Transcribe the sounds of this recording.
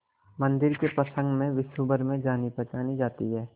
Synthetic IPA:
mə̃nd̪ɪɾkepɐsə̃ŋɡmẽʋɪʃubəɾmẽd͡ʒaːnipɐt͡ʃaːnid͡ʒaːt̪iɦɛː

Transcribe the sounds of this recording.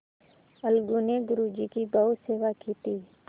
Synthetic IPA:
əlɡuːneɡʊɾuːd͡ʒiːkibəɦʊt̪seːʋaːkiːt̪iː

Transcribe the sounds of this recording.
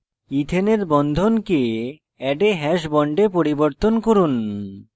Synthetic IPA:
it̪ʰeneɾbɔnd̪ʱonke | ɛɖeɦɛʃbɔɳɖepoɾiboɾt̪onkoɾun

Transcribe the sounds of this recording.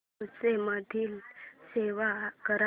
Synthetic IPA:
ut͡semad̪ʱiːlseʋakəɾa

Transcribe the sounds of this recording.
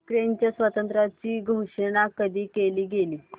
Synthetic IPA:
kɾent͡ɕjasʋət̪ənt̪ɾat͡ɕiːɡʱoʂəɽ̃akəd̪ʱiːkeliːɡeliː

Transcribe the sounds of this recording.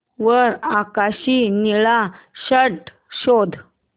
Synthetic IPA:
ʋəɾakaɕiniɭa | ɕəʈ | ɕod̪ʱ

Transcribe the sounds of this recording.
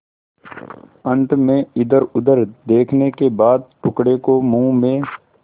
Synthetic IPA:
ə̃ɳʈmẽɪd̪əɾʊd̪əɾd̪eːkʰnekebaːd̪̚ʈʊkɽekomũːmẽː

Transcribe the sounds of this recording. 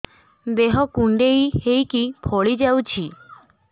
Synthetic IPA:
d̪eɦɔkuɳɖeihejkipʰɔɭid͡ʒawt͡ʃʰi

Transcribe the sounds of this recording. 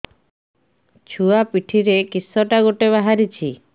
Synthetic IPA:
t͡ʃʰuapiʈʰiɾekisːɔʈaɡoʈeβaɦaɾit͡ʃʰi

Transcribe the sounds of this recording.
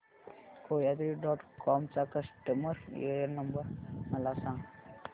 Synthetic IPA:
koːjad̪ɾiɖɔːʈkɔːmt͡ʃakɐsʈəməɾḛəɾnɐmbəɾmɐlaːsãː

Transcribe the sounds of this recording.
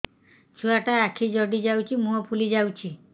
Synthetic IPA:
t͡ʃʰuaʈaakʰid͡ʒɔɖid͡ʒawt͡ʃʰimũɦɔpʰulid͡ʒawt͡ʃʰi

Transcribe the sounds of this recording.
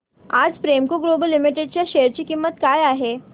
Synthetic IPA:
a̰d͡zfɾemkoɡlobəlːimiʈeɖ̚t͡ɕjaɕeəɾt͡ɕiːkimːət̪kaːjaɦe

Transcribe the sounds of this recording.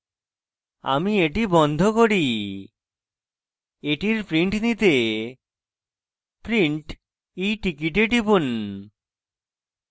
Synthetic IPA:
a̰mieʈibɔnd̪ʱokoɽi | eʈiɾpɾiɳʈnit̪e | pɾiɳʈ | ejʈikiʈ̬eʈibun

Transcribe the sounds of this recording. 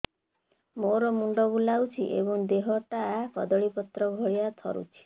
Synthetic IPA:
moɾɔmuɳɖɔbulawt͡ʃʰḭʔḛbɔŋd̪eɦɔʈapɔd̪ɔɭipɔt̪ɾɔbʱɔɭijat̪ʰɔɾṵt͡ʃʰi̥

